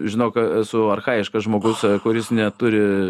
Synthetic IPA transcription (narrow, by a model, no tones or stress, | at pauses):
ʒʲɪnoːksʊɐrxɑːjɪʃkɐʒmoːɡʊskʊɾʲɪsnʲɛt̪ʊɾʲɪ